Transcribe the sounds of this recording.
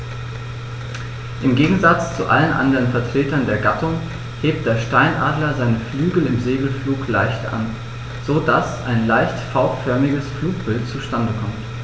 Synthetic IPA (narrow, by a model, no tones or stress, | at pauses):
ʔɪmɡeːɡŋ̩zat͡st͡suʔa̰lənʔa̰ndəʁənfɛɐtʁ̥eːtɐndeːɐɡatʊŋ | heːp̚t̚d̥eːɐʃtaɪnʔaːdlɐzaɪnəflyːɡl̩ɪmzeːɡl̩fluːklaɪçtɐ̰ʔa̰n | z̥odasʔaɪnlaɪçtfaʊpfœɐmɪɡəsfluːk̚b̥ɪltt͡suʃtandəkʰɔmt